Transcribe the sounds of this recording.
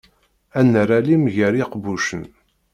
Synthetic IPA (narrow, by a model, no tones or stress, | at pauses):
ænːɾalimʝəɾiqbuʃən